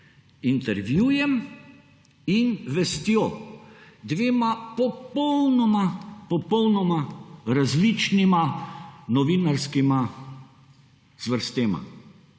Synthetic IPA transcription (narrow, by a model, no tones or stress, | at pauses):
int̪ɛɾʋjuːjɛm | inʋɛst̪joː | d̪ʋeːmapɔpɔwnɔmapɔpɔwnɔmaɾazlit͡ʃnimanɔʋinaɾskima | z̥ʋəɾst̪eːma̰